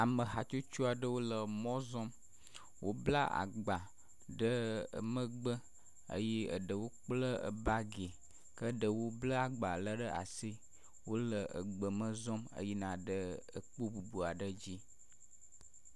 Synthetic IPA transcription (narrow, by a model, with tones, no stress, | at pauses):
a˨mə̃˨ɦa˨t͡ʃo˦t͡ʃu˦a˨ɖə˦wo˦lə˨mɔ̃˦zɔ̃˦m | wʔo˦bla̰˦ʔa̰˨ɡ͡ba˨ | ɖə̰˦˨mə̃˦ɡ͡bə˦ | ə̰˦je˦ə̰˨ɖə˨wo˦k͡plə˦ə̰˨ba˦ɡe˨ | kə˦ɖə˨wo˦blə˦a˨ɡ͡ba˨lə˦ɖə˦ʔa̰˨si˦ | wo˦lə˨ʔə̰˨ɡ͡bə˨mə̃˦zɔ̃˦mə̰˦ji˦nã˨ɖə˦ə˨k͡po˦bu˨bu˨a˨ɖə˦d͡ʑi˦